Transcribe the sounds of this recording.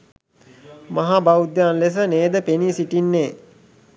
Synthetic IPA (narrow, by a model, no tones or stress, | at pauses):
maɦabaud̪jaːnles̬əneːd̪əpenisiʈinːeː